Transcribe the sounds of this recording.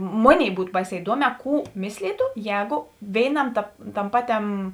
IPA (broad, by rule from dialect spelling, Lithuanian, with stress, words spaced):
ˈmoːˌnʲeːɪ ˈbuːt ˈbɐɪˌsʲɛː ɪˈduɔˌmʲɛː ˈkuː ˈmʲɪsʲlʲiːtʊ ˈjɛːɡʊ ˈʋʲeːɪˌnɐm tɐp ˈtɐm ˈpɑːˌtʲɛm